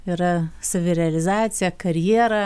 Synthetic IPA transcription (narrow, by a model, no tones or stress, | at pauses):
iɾɐsɐʋʲɪɾʲɛɐlʲɪzɑːt̪sʲɪjɛkɐɾʲjiɛɾɐ